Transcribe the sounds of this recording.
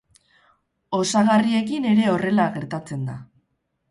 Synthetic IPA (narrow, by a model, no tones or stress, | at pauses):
o̞saɣarie̞kine̞ɾe̞o̞re̞laɣe̞ɾt̪at͡se̞nd̪a̰